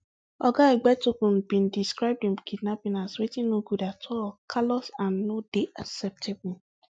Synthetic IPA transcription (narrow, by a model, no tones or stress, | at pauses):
ɔɡaeɡ͡bɛtokũnbĩndiskɹaɪb̚dĩnkʰid̚napĩnaswetĩnoɡudatʰɔkʰalɔsãnːodeʔasɛp̚tʰebʊ